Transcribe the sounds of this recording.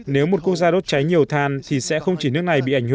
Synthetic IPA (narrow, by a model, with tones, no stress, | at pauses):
ne˨˦wmo˨˩t̚ku˦˥ək̚zaː˧o˦˥t̚t͡ɕa˨˦jɲi˨˩əwt̪ʰaː˨˩nt̪ʰi˨˩sɛ̰˧˥xə˧wŋ͡mt͡ɕi˧˩nɨ˦˥ək̚na˨˩jɓḭ˧˨ʔa˧˩ŋ̟h